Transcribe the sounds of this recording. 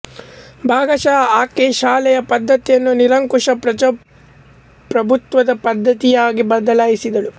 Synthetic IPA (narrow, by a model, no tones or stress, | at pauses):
bʱaːɡɐʃaːɐaːkeːʃaːlɛjɐpɐd̪ʱːɐt̪jɐnːuniɾɐŋkuʂɐpɾɐ | pɾɐbʱut̪ʋɐd̪ɐpɐd̪ʱːɐt̪ijaːɡibɐd̪ɐlaːjisid̪ɐɭu